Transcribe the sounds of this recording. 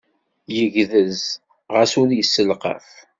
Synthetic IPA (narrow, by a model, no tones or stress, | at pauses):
jəʝðəz | ʁəsʊɾjəsːəlqə̰f